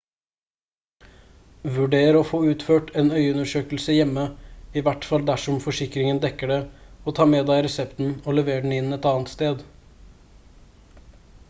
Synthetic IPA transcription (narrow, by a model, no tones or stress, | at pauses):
ʋʉɖeːɾəɾoːfoːʉːt̪føːʈʰeːnœʏʉnəʂøːkl̩səjɛmːəɪʋæʈfɑld̪æʂɔmfɔʂɪkɾɪŋənd̪ɛkəɖɛoːt̪ʰɑːmeːd̪æɪɾɛsɛpt̪n̩oːlɛʋeːɾɖɳ̩ɪnːɛt̪ɑːnt̪st̪eːd̪